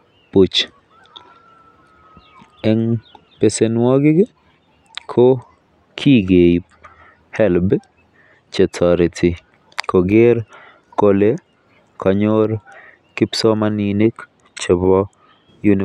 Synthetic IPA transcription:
pu˨t͡ʃ | ɛ˦ŋ | pe˨senwɔ˦ɡɪ˦ɡɪ˦ | kʰo | kʰi˦ɡe˨i | hɛ˦lb | t͡ʃe˨tʰɔ˨ɾɪ˨tʰi˨ | kʰo˨ɡɪɾ | kole˦ | kʰɔ˨ɲo˦ɾ | kɪ˦psɔ˦ma˦ni˨ni˦k | t͡ʃe˨bɔ˦ | jun

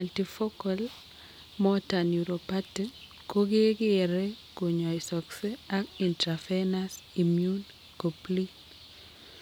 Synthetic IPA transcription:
altifɔ˦kal | mɔta˨njuɾopa˦ti | ko˦ɡe˦ɡɪ˦ɛɾɛ˦ | ko˨ɲɔ˨isɔ˨kse˦a˦ki˨ntɾafe˦nasimjun | ko˨pli

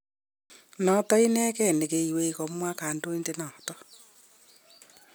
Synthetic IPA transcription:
nɔ˨tɔ˦i˦nɛː˦kɛ˦˨ne˨ke˨i˨we˦ikɔ˨mwa˦kaː˨ndo˦i˦nde˦nɔ˨tɔ

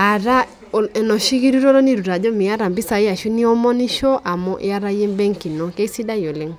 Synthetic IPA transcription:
a˨ɾa˦˨ | ɛ˨nɔ˨ʃi˦ɣi˦ɾu˦ɾɔ˦ɾɔ˦ni˦ɾu˨ɾa˨dɔ˦mi˨ja˦ɾa˨mbi˦sa˨ja˨ʃu˦ni˦ɔ˦mɔ˦ni˦ʃɔ˦ʔa˨mɔ˦ʔa˦ɾa˦je˦mbɛ˦ŋki˨nɔ˨ke˦i˦si˦da˦jo˨le˦ŋ

